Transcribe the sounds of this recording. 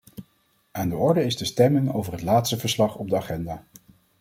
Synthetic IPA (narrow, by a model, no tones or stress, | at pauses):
aːndəɔɹdəɪstəstɛmənowvərɦətlaːtstəvəɹslɑχɔb̚dəaχɛndaː